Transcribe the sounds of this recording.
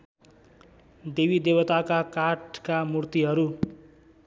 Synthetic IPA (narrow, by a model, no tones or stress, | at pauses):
d̪ebid̪ebʌt̪akakaʈkamurt̪iɦʌɾu